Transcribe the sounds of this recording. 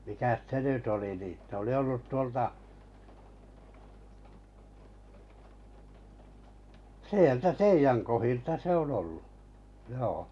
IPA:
mikæs se nyt oli niˑ se oli olːut tuoltɑ sieltæ teijæŋ kohiltɑ se on olːu joː

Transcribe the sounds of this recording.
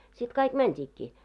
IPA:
sit kɑik mæntʲiːkːiː

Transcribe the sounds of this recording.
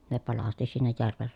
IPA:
ne pɑlɑsti sinːej jærʋer

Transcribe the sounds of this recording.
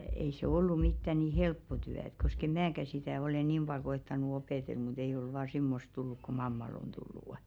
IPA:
ei se olːu mitːæ ni helpːo tyæ ĕt kosk em̆ mæːkæ sitæˑ ole niːm b̥ɑl koetːɑnu opeˑtel mut eij̆ ol ʋɑː simːost̆ tulːuk ku mɑmːɑl on tulːuˑ

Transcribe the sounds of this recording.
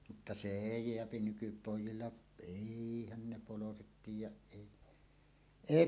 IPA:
mutːɑ se eˑi jeæpi nykypoˑijˑilːɑ eˑihæn ne poloset tiːjˑæʔ ʔeˑi eˑi

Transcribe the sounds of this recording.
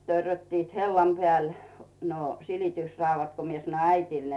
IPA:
tørːøtːiːt helːɑm pĕæˑl no silitysrɑuʋːɑt ko mie sɑ̆noĭ æitiˑl

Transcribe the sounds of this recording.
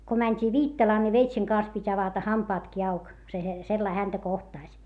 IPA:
ko mænʲtʲiː ʋiːtːɑlɑː ni ʋeitseŋ kɑns pitʲ ɑʋɑtɑ hɑmpɑːtki ɑuk se he selːɑi hæntæ kohtɑˑsʲ

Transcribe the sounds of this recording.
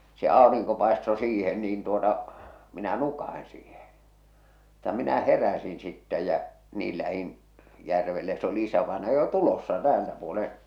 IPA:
se ɑˑoriŋko pɑˑesto siːhen niːn tuotɑ minæ nukɑh̆in siːhe mutːɑ minæ heræsin sitːɛ jæ niːl læhin jærʋelːe jɑ s oli isæʋɑenɑjɑ jo tulosːɑ tæːltæ puolẽː

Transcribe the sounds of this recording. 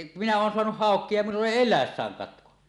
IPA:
minæ oːn soɑnuh hɑˑokˑie jɑ minulː eˑi elˑæesːæːŋ kɑtko

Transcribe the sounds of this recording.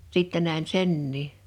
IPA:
sitːæ næˑe̝n senːiː

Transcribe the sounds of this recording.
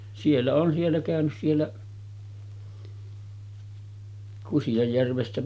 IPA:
sielːæ oːn sielːæ kæˑønys sielːæ kusijɑjːærʋestæ

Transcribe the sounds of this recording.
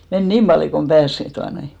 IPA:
men niːm b̥ɑljo kom b̥æːs tuɑnoi

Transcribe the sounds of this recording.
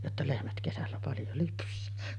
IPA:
jotːɑ lehmæt kesælːæ pɑljo lypsˑæː

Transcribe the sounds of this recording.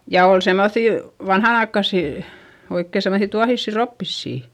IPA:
jɑ ol semːoθiˑ ʋɑnhɑnɑikːɑsiˑ oikːe semːosi tuɑhisːi ropːisːiˑ

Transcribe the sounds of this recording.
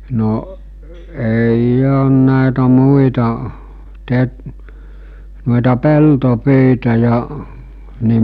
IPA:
noʔ eij oːn næˑetæ muitɑ te nu̞itɑ peltopyitɑ jɑ ni

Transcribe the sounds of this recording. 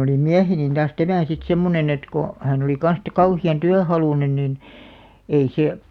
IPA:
oli miæhenin tɑːs tæmæˑ sit semːonen et ko hæˑn oli kɑn̞s te kɑuhiɑn tyæhɑluˑnen nin ei seˑ

